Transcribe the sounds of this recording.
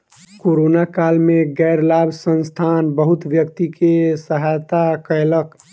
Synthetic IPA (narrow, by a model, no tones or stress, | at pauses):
koɾonakalmeɡɛɪɾlabʱsənst̪ʰanbəɦut̪ʋjəkt̪ikʰesəɦajt̪akəelək